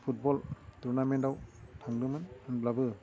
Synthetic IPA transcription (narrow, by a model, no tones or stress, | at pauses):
pʰut̚bɔltuɾnamentawtʰaŋdɯmɯnɯnblabɯ